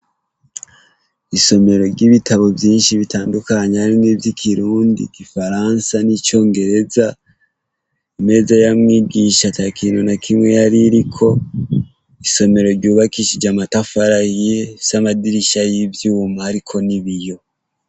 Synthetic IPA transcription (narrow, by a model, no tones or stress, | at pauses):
iso̞me̞ɾo̞ɾɟiβitaβo̞vjiːnʃiβitaːndukaɲehaɾiniːvjikʰiɾuːndḭɡ̥ifaɾansanit͡ʃo̞ːŋɡe̞ɾe̞za | ime̞ːzajamŋiːɡiːʃatakʰiːnonakʰimŋe̞jaɾiɾikʰo̞ | iso̞me̞ɾo̞ɾɟuːβakiʃid͡ʒamatafaɾahiesamadiɾiʃajivjuːmahaɾikʰo̞niβijo̞